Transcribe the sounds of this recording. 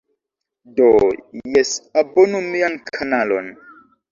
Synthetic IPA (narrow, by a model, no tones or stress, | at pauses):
dojɛsabonumijankʰanalo̰n